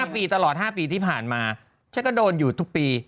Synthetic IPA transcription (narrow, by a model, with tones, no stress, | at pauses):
a˥˩piː˧t̪a˧lɔː˨˩t̪̚haː˥˩piː˧t̪ʰiː˥˩pʰaː˨˩nmaː˧ | t͡ɕʰjkɔː˥˩doː˧njuː˨˩t̪ʰu˦˥k̚piː˧